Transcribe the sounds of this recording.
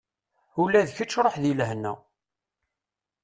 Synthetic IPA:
ulæðçət͡sːɾˤoħðilɦnːæ̰

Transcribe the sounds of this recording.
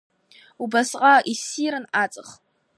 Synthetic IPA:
ubasqʼaʔisiɾɨnat͡sʼɨχ

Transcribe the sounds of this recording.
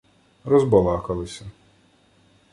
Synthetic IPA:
rɔzbɔlˠɑkɐlˠɪsʲɐ

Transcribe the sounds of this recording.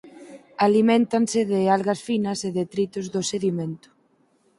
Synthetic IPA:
alimẽnt̪ansɪðɪalɣɐsfinɐseðet̪ɾit̪ʊzðʊseðiment̪ʊ̥

